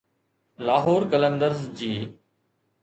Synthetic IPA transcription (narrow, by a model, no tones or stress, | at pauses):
laːɦoːɾkələ̃nd̪əɾzd͡ʑiː